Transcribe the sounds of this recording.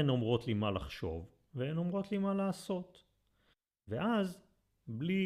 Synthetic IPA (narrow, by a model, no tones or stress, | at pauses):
eno̞mʁo̞tlimalaχʃo̞̰v | veeno̞mʁo̞tlimalaːso̞t̪ | veʔaz | bli